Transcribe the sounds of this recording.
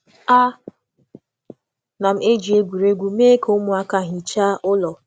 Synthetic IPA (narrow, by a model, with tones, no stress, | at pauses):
a˦ | na˨m̩˦e˦d͡ʒi˨e˦ɡʷu˨ɾe˦ɡʷu˨meː˦ko˦mʊ˨˦a˦ka˦˨ɦi˨t͡ʃa˦ʔʊ˦lɔ˨